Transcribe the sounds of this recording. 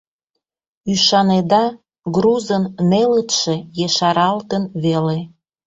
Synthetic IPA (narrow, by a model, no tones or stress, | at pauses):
yʃɑned̪ɑ | ɡɾuzənmelət̪ʃejeʃɑɾɑlt̪ənβele